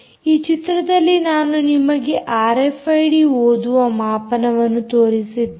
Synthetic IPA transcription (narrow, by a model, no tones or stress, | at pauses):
iːt͡ʃit̪ɾɐd̪ɐlːinaːnunimɐɡeʔaːɾepʰɐjɖioːd̪uɐmaːpɐnɐʋɐnːut̪oːɾisid̪